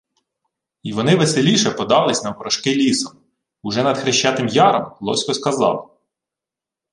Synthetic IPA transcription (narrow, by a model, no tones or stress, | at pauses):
iʋɔnɪʋeselʲiʃɛpɔd̪ɑlˠɪsʲnɐwpɾɔʃkɪlʲisɔm | ʊʒɛnɐd̪xɾɪʃt͡ʃːɑt̪ɪmjɑɾɐmlˠɔ̰sʲkɔskɐzɑ̰lˠ